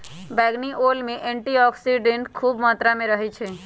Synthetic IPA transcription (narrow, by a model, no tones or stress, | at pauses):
bɛːɡniʔoːlmẽʔɛ̃ːɳʈiɔːksiɖẽɳʈkʰuːbmaːt̪ɾamẽɾəɦet͡ʃʰeː